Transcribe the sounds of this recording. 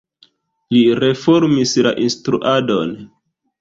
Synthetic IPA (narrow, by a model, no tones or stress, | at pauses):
liɾe̞foɾmisla̰ʔinstɾṵʔadon